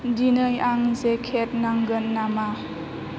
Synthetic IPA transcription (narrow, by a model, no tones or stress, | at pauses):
dinəjaŋzekʰet̚naŋɡənːama